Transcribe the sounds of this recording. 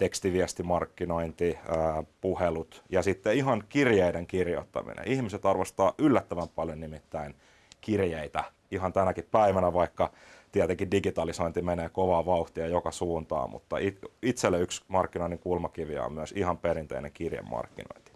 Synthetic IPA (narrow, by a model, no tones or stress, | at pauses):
t̪ekst̪iʋiæst̪imɑrkːinoint̪iæːpuhelut̪jɑsit̪ːeiɦɑnkirjeiɾeŋkirjo̰t̪ːɑ̰mḭnḛihmiset̪ɑrʋest̪ɑːʔylːæt̪ːæʋæmpɑljonnimit̪ːæin | kirjeit̪æ | iɦɑnt̪ænækippæiʋænæʋɑikːɑ | t̪iæt̪eŋkidiɡit̪ɑlisoint̪imeneːkoʋɑːʋɑuht̪iɑjokɑsuːnt̪ɑ̰ːmṵt̪ːɑiit̪selːeyksmɑrkːinoinːiŋkulmɑkiʋiæ̰o̰mmyøsihɑmperint̪ḛinḛŋkirjḛmːɑ̰rkːino̰int̪i̥